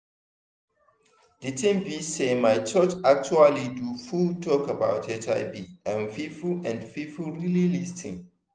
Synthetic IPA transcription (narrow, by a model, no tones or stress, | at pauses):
d̥itĩnbisemaɪt͡ʃɔt͡ʃak̚t͡ʃualidufultʰɔkəbaʊtʰɛtʰa̰ɪbiãnfifulɛ̃nfifulɹililistʰɪ̰̃ŋ